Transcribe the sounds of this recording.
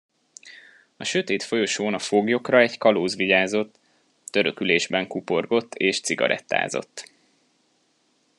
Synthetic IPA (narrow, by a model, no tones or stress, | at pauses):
ɒʃø̞t̪eːt̪fo̞jo̞ʃoːnɒfoɡjo̞krɒɛɟkɒloːzʋiɟaːzo̞t̪ː | ø̞ɾøkyleːʒbɛŋkupo̞rɡo̞t̪ːeːʃt̪siɡɒ̰ɾʔɛ̰t̪ːa̰ːzo̞̰t̪ː